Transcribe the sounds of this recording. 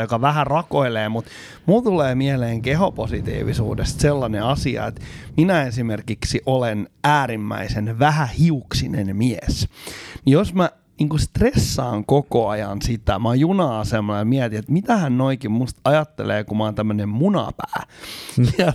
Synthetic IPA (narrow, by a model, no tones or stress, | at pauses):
jokɑʋæhærɑkoileːmut̪ | mult̪uleːmieleːŋkehoposit̪ḭːʋḭsṵːdest̪selːɑneɑsiɑ̰ḛt̪minæesimerkiksiʔolenæːɾimːæ̰isenʋæhæhiuksinenmiesnijosmæ | niːŋkust̪resːɑ̰ːŋkokoɑjɑ̰nsit̪æ̰mɑjunɑːsemːonemiɛt̪iet̪mit̪æhænnoikimmust̪ɑjɑt̪ːḛlḛːkumɑont̪æmːønemmunɑ̰pæː | ɑ